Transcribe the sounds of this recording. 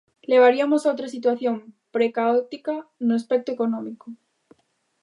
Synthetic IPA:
le̞βaɾiamo̞saot̪ɾasit̪waθjo̞mpɾe̞kaot̪ikanuespe̞k̚t̪oe̞ko̞nõmiko

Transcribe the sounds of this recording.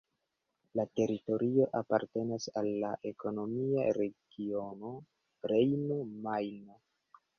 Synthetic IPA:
late̞ɾito̞ɾio̞ʔapaɾte̞nasalːa̰ʔe̞ko̞no̞mia̰ɾe̞ɡ̥io̞no̞ | ɾejnomajno

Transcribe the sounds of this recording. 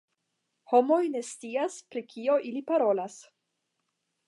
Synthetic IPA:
ho̞mo̞jne̞st͡siaspɾikʰio̞ʔilipaɾo̞las

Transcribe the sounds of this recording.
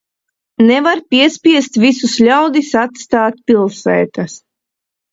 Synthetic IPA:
nevaɾpʲiɛspʲiɛst̪visuslʲawd̪isat̪st̪aːt̪̚ʲpʲilˠsɛːt̪as

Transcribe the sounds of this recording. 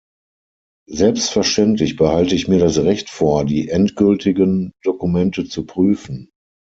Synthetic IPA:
zɛlpstfɛɐʃtɛntlɪçb̥əhaltəɪçmiːɐɾasʁɛçtfoːɐdiːʔɛntɡ̥ʏltʰɪɡənd̥okumɛntət͡supʁ̥yːfn̩

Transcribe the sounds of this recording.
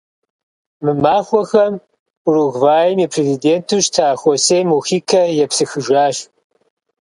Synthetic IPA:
mɨmaːxʷɔxɐm | ruɣvaːjɛmiːpʰrezideːntʰuʃtʰaːxʷɔsejmuxiːkʰɐjɛpsɨxɨʒaːɕ

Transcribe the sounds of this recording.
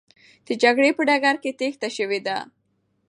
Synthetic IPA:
d̪̥əd͡ʒaɡɽepəɖaɡaɾket̪ext̪aʃəwed̪a

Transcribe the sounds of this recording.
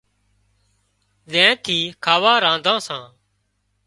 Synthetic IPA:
zẽːt̪ʰiːkʰaːʋaːɾãːnd̪ʱãːsãː

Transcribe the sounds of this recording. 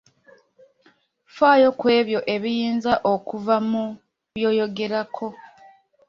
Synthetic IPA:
faːjo̞kwe̞ːβjo̞ʔe̞βijiːnzaʔokuvamu | βjo̞ːjo̞ɡe̞ɾakʰo̞

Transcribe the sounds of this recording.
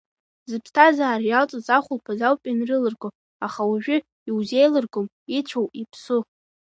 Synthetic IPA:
zɨpʰstʰazaːrjalt͡sʼazaχʷʊlpʰazawpʲʼanrɨlɨrɡʷo | aχawaʒᶣʊ | iwzejlɨrɡʷom | it͡ʃʷʰowipʰsʊ

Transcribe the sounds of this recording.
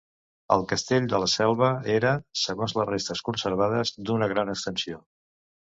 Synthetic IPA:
ə̰lˠkəst̪eʎd̪ələsɛlˠβəeɾəsəɣonzləzrest̪əskunsəɾβ̞að̞əzd̪unəɣ̞ɾanəkst̪ənsio

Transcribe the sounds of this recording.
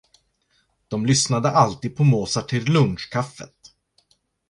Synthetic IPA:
d̪̥ɔmlʏsnad̪əʔalt̪iːd̪̚pʰɔmoːsaʈʰɪllɵnʂkʰafːə̰t̪̚

